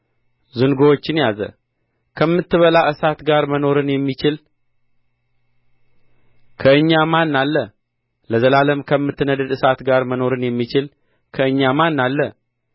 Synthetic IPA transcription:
zɨŋɡowot͡ʃːɪnjazə̰ | kʰəmːɨt̪ːɨβəlaʔɨsat̪ɡaɾməno̞ɾɨnjɛmːit͡ʃɪl | kʰəɨɲːamanːalːə | ləzəlaləmkʰəmːɨt̪ːɨnəd̪əd̪ɨsat̪ɡaɾməno̞ɾɨnjɛmːit͡ʃɪl | kʰəɨɲːamanːalːə

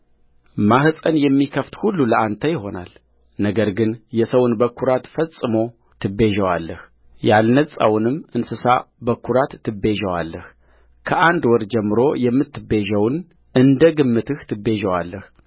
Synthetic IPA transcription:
mahɨsʼənjɛmːikʰəft̪hulːuləʔant̪ʰəjɪho̞na̰l | nəɡəɾɡɨnjɛsəwnbəkʰːuɾat̪fəsʼːɨmo̞ | t̪ʰɨbeʒəwa̰lːəh | jalnəsʼa̰wnɨmːɨnsɨsa̰bəkʰːuɾat̪ːɨbe̞ʒəwa̰lːəh | kʰəʔand̪wɔɾd͡ʒɛmːɨɾo̞jɛmːɨt̪ːɨbeʒəwn | ʔɨnd̪əɡɨmːɨt̪ɨht̪ʰɨbe̞ʒəwalːəh

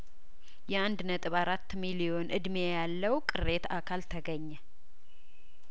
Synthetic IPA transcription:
jɛand̪nət̪ʼɨβaɾat̪ːmilijo̞nʔɨd̪mejalːəwkʼɨɾe̞t̪akʰalt̪ʰəɡəɲːɛ

